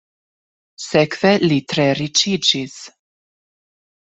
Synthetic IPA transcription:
sɛkvɛlit̪ɾɛɾit͡ʃid͡ʒis

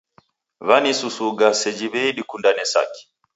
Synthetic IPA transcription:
βanisusuɡasɛd͡ʒiβɛiɗikundanɛsa̰ki̥

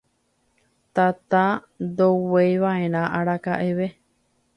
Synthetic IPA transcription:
t̪at̪a | d̪owejʋaẽ̞ɾ̃ãʔaɾaka̰ʔeʋe̞

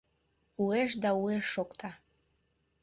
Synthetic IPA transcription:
ueʃd̪aueʃːokt̪ʰɑ

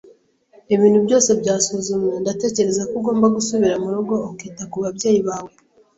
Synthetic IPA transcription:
iβiːn̥hubɟo̞ːse̞bɟaːsuzumjendate̞ːce̞ɾe̞zakuɡo̞ːmbaɡusuβiɾamuɾuɡo̞ːkiːtakuβaβɟe̞ːjiβaːwe̞

